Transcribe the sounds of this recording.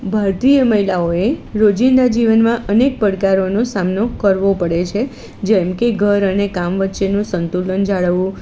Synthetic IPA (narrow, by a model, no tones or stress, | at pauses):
bʱaɾt̪ijəməɦilaoeɾod͡ʒind̪ad͡ʒiʋənmãʔənek̚pəɽkaɾonosamnokəɾʋopəɽet͡ʃʰe | d͡ʒɛmkeɡʱəɾənekamʋətːʃenũsənt̪ulənd͡ʒaɭəʋũ